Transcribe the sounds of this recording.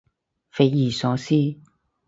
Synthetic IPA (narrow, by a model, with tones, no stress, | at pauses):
fe˨˦i˨˩sɔ˨˧˦si˥˦